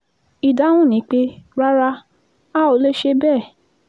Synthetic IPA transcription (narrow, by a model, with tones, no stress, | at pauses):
i˨da˨˦w̃ũ˦˨nĩ˨˦k͡pe˦ɾa˦ɾa˧ | a˦˨o˨˧˦le˦ʃe˧bɛː˦˨